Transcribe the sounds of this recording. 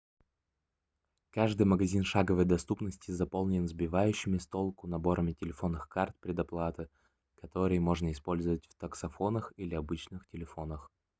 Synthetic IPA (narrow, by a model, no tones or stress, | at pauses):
kaʐd̪ɨjməɡɐzʲinʂaɡəvəjd̪ɐst̪upnəsʲtʲɪzɐpolˠnʲɪnzbʲɪvajʉɕːɪmʲɪst̪o̞lˠkʊnɐbo̞ɾəmʲɪtʲɪlʲɪfo̞nːɨxkart̪̚pɾʲɪd̪ɐplˠat̪ɨ | kɐt̪o̞ɾɨjmo̞ʐnəɪspo̞lʲzəvətʲft̪əksɐfonəxilʲɪɐbɨt͡ɕnɨxtʲɪlʲɪfo̞nəx